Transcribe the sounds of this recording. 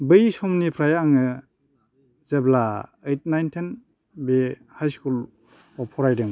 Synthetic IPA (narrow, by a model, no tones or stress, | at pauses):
bɯjsɔmnipʰɾajaŋɯ | zeblaəjt̚najntʰen | be | hajskul | ɔpʰɔɾajdeŋ